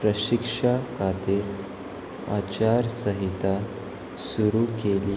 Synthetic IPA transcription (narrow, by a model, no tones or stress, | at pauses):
pɾəɕikʂakat̪iɾ | a̰t͡ɕaɾsəɦit̪a | suɾukeliː